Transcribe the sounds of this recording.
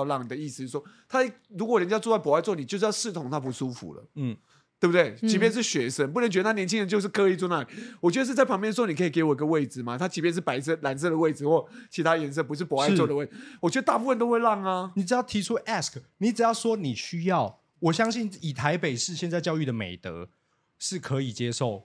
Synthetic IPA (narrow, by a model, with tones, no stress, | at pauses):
ʊlɑ˥˩ŋni˨d̪ə˩˦i˥˩s̩˩˥˩wɔ˥t̪ʰa˥ | ɻu˧˥kwɔ˨˩ɻə˦nt͡ɕja˥t͡swa˥˩p̬ɔ˨˦a˥˧ɪt͡swni˨˩t͡ɕo˥˧ʊʂ̬̩˥˧jɑ˥˧ʂɻ̩˥˩t̪ʰʊ˨˦ŋt̪ʰa˦˥pu˧˥ʂu˥fṵ˧˦lə̰˦˥˩ | t̪we˥˩bu˩d̪we˥˩ɪt͡ɕi˧˥pjɛ˥˧nʂ̬ɻ̩˥˩ɕɥɛ˧˥ʂə˦˥np̬u˥˩nə˧˦ŋt͡ɕɥ̪ə˧˩a˥njɛ˧˥nt͡ɕʰi˥ŋɻə˧˦nt͡ɕo˥˧ʊʂ̬̩˥˩kʰɤ˥i˥˩t͡swɔ˥˧˦na˥˩i˨˩wɔ˨t͡ɕɥɛ˥ə˧ʂ̬̩˥˧t͡sa˥˩ɪpʰɑ˧˥ŋpj̪ʂ̩˧˥ni˨˩kʰi˨˩ke˧˥ɪwɔ˨˩˨i˧˦ɡə˧we˥˩ɪd͡zɹ̩˨˩ma˨t̪ʰa˥t͡ɕi˧˥p̬jɛ˥˧nʂ̬ɻ̩˥˩pa˨˩ɪs̬ə˥˩la˧˥ns̬ə˥˧d̪ə˩we˥˩ɪd͡zɹ̩˨xwɔ˥˩t͡ɕʰi˧t̪ʰa˥˨jɛ˧˥ns̬ɤ˥p̬u˧˥ʂ̬ɻ̩˥˩pɔ˨˩˦a˥˧ɪ˧wɔ˥˨d̪ə˦we˥˩wɔ˨˩t͡ɕɥɛ˧˥d̪ə˧t̪a˥˧pu˥˩fə˥˨nt̪o˥ʊxwe˥˧ɪlɑ˥˩ŋa˨ni˨˥ʈ͡ʂɻ̩˨˩jɑ˥˩ʊt̪ʰi˧˥ʈ͡ʂʰu˥ʔɛ˥˧skni˨˥ʈ͡ʂɻ̩˨˩jɑ˥˩ʊʂwɔ˥ni˨˩ɕy˥jɑ˥˨ʊ | wɔ˨˩ɕjɑ˥ŋɕi˥˩ni˨˩t̪ʰa˧˦ɪpe˨˩ɪʂɻ̩˥˧ɕjɛ˥˧nt͡sa˥˧ɪt͡ɕjɑ˥˧ʊy˥˩d̪ə˩mḛ˨˩ɪt̪ɤ̰˧˦ | ʂɻ̩˥˩kʰɤ˧˦i˨˩t͡ɕje˥ʂo˥˩ʊ